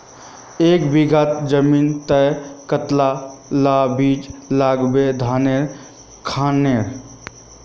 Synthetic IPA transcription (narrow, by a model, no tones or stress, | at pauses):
eːkbiɡʱat̪d͡ʒəmiːnt̪əkət̪lalabiːd͡ʒlaɡbed̪ʱaːneɾ | kʰaneɾ